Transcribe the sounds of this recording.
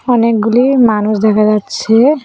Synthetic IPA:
ɔnek̚ɡulimanusd̪ɛkʰad͡ʑatːʃʰe

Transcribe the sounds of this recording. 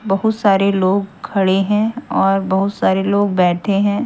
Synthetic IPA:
bɐɦʊt̪saːɾeloːɡkʰɐɽeɦɛ̃ɔːɾbɐɦʊt̪saːɾeloːɡbɛːʈʰeɦɛ̃ː

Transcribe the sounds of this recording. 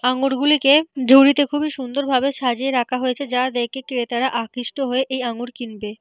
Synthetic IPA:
aŋuɽɡuliked͡ʑʱoɾit̪ekʰubiʃund̪oɾbʱabeʃad͡ʑeeɾakʰaɦoet͡ɕʰed͡ʑad̪ekekɾet̪aɾaʔakɾiʃʈoɦoeʔejaŋuɾkinbe

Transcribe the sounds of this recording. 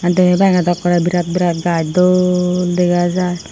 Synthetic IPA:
antumibaŋɡad̪ɔkːɔɾabiɾat̪̚biɾat̪̚ɡajdɔldeɡazaj

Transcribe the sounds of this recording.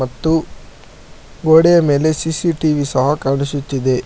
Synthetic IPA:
ɐt̪ːu | ɡoːɽɛjɐme̞ːle̞siːsiʈiːʋisɐɦɐkɐɾnusut̪ːid̪e̞

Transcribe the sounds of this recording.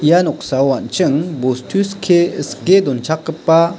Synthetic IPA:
ijanɔk̚sawant͡ʃɯŋbostʰuskʰeəsked̪ɔnt͡ʃʰakːəpːa

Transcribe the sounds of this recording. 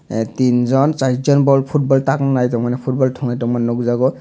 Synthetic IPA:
tinzɔnsaɹzɔnbɔlpʰut̚bɔltaknajtɔmanɛpʰut̚bɔltʰɔŋatɔmannːɔɡzaɡɔ

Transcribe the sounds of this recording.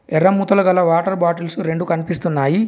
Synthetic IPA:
ɛɾːɐmuːt̪ɐlɐɡɐlːɐʋaːʈɐɾbaːʈilsuɾe̞ɳɖukɐnipist̪unːaːji

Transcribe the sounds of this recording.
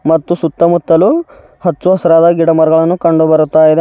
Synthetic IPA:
mɐt̪ːusut̪ːɐmut̪ːɐlu | hɐt͡ʃːuɦɐsɐɾaːd̪ɐɡiɽɐmɐɾɐɡɐɭɐnːukɐɳɖubɐɾut̪ːaːjid̪e

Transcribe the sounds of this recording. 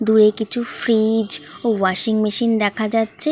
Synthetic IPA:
d̪uɾekit͡ɕʰufɾid͡ʑowaʃiŋmeʃind̪ɛkʰad͡ʑatːɕʰe

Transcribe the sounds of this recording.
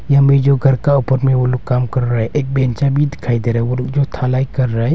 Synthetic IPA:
jamed͡ʒoɡʱəɾkaʊpəɾmẽwolokːaːmkəɾɾaɦɛʔeːk̚bɛnt͡ʃabʱid̪ɪkʰaːid̪eɾaɦɛolokd͡ʒot̪ʰalaːikəɾːaɦɛ

